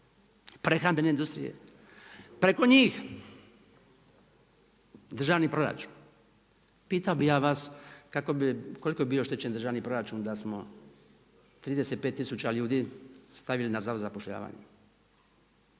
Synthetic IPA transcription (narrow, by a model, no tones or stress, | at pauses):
pɾe̞xɾambe̞ne̞ind̪ust̪ɾḭjḛ | pɾe̞ko̞ɲiːx | d̪ɾr̩ʒaːʋnipɾo̞ɾa̰t͡ʃu̥ːn | piːt̪aobijaːʋaskakobiko̞liko̞bibijoʃt̪et͡ɕe̞nd̪ɾr̩ʒaːʋnipɾo̞ɾat͡ʃuːnd̪asmo̞ | t̪ɾiːd̪eset̪̚pet̪ːisut͡ɕaʎuːd̪iːst̪aʋilinazaozapoʃʎa̰ːʋa̰ːɲḛ